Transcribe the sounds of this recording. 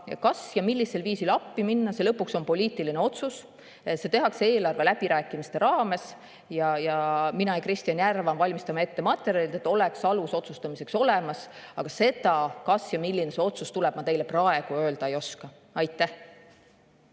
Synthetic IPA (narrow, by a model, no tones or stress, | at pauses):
kɑsjɑmilːise̞lviːsilɑpːiminːɑse̞lɤ̞pːukso̞npo̞lʲiːt̪ˑiline̞o̞t̪sus | se̞t̪e̞ɦɑkse̞ːlɑrve̞læb̥iɾæːkːˑimist̪e̞ɾɑːme̞s | jɑjɑminɑjɑkrist̪ijɑnʲjærvɑnvɑlʲmist̪ɑmɑe̞t̪ːe̞mɑt̪ːˑe̞ɾjɑlit̪et̪ːˑo̞leksɑluso̞t̪sust̪ɑmise̞kso̞le̞mɑsɑɡ̥ɑse̞d̪ɑkɑsjɑmilʲːinese̞o̞t̪sust̪ulɛb̥̚mɑt̪e̞jleprɑe̞ɡ̥uø̞ːld̪̥ɑe̞jo̞skɑ | ɑjt̪ːˑæh